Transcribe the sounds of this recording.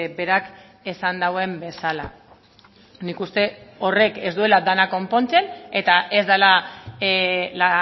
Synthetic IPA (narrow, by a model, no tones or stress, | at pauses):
be̞ɾak | esand̪awe̞mbe̞sala̰ | nikust̪e̞o̞re̞ke̞zd̪ue̞lad̪anako̞mpo̞nt͡se̞ne̞t̪aʔe̞zd̪ala | la